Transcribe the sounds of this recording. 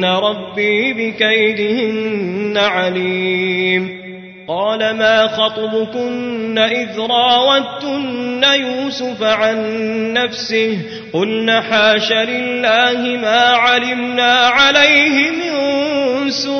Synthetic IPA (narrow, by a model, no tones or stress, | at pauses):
aɾˤɑbːiːbɪkajd̪ɪhɪnːaʕaliːm | qɑːlamaːxɑt̪ˤɑbʊkʊnːaʔɪðɾˤɑːwat̪ʊnːajuːsʊfaʕanːafsɪh | qʊlnaħaːʃalɪlːaːhɪmaːʕalɪmnaːʕalajhɪmɪn | sʊ